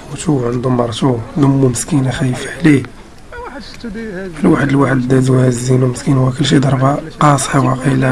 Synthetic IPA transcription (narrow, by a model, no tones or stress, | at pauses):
wt̪uʕənd̪umɑɾˤt̪uləmːuməskinæxæjəfʕli | fəlwaħəd̪əlwaħəd̪d̪æd̪uwhæzːinuməskinhuækəlːʃ̬id̪ɑɾˤbaqɑsˤħiwɑqila